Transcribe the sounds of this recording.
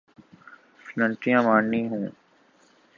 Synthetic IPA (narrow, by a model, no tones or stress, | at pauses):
flə̃ɳʈɪjãːmaːɳnĩːɦũː